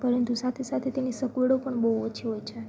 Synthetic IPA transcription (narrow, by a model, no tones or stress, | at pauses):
pəɾənt̪usat̪ʰesat̪ʰet̪enisəkʋəɽopəɳbəɦot͡ʃʰiɦojt͡ʃʰe